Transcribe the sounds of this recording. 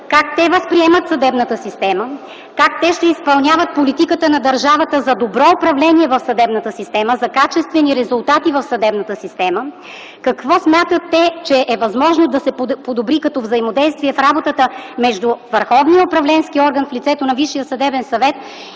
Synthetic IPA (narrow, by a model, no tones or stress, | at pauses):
kakt̪ɛvəspɾiɛmət̪sɐd̪ɛbnət̪əsist̪ɛmə | kak̚t̪ɛʃt̪ɛispɐlˠnʲavət̪̚polit̪ikət̪ənɐd̪ɐɾʒavət̪əzɐd̪obɾɔʊpɾɐvlɛniɛvɐfsɐd̪ɛbnət̪əsist̪ɛməzɐkat͡ʃɛst̪vɛniɾɛzʊlˠt̪at̪ivɐfsɐd̪ɛbnət̪əsist̪ɛmə | kɐkvɔsmʲjat̪ət̪ːɛt͡ʃɛʔɛvɐzmɔʒnod̪ɐsɛpod̪obɾikɐt̪ɔvzəimod̪ɛjst̪viɛfɾabot̪ət̪əmɛʒd̪uvəɾxɔvnijəʊpɾɐvlɛnskiɔɾɡənflit̪sɛt̪onɐviʃːijəsɐd̪ɛbɛnsɐvɛt̪̚